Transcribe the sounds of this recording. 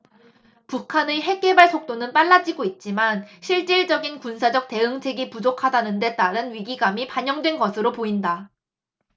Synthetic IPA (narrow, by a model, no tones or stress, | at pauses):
pukʰaneɦe̞k͈ebaɭsʰok̚t͈onɯnp͈aɭːad͡ʑiɡoit̚t͡ɕ͈imanɕʰiɭt͡ɕ͈iɭd͡ʑ͈ʌɡinkunsʰad͡ʑʌk̚t͈e̞ɯŋt͡ɕʰe̞ɡipud͡ʑokʰadanɯnde̞t͈aɾɯnɥiɡiɡamipaɲʌŋdwe̞nɡʌsʰɯɾopoinda